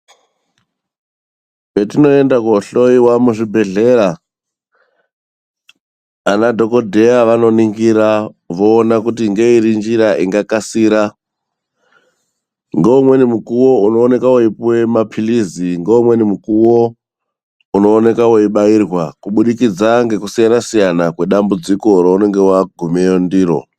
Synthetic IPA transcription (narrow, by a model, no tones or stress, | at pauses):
ketino̞e̞ndakouɬo̞iwamuʐibʱe̞ɮe̞ɾa | nadʱo̞ko̞dʱe̞jaʋano̞niŋɡiɾaʋo̞ːnakutiŋɡe̞iɾind͡ʒiɾaʔiŋɡakasiːɾa | ŋɡoumwe̞nimukuwo̞uno̞ːne̞kawoipuwe̞mapʰiliziŋɡeumwe̞nimukuwo | uno̞ːne̞kawo̞iɓairwakuɓuɗikid͡zaŋɡe̞kusijanasijanakwe̞ɗambud͡ziko̞ɾaune̞ŋɡe̞waɡʱumejondiːɾo̰